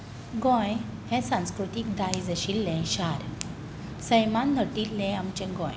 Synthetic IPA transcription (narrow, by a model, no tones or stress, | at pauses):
ɡɔ̃j | hɛ̃sãñskɾut̪ik̚d̪ajd͡zəɕilːɛ̃ɕaɾ | səjmanːəʈilːɛ̃amt͡ɕɛ̃ɡɔ̃j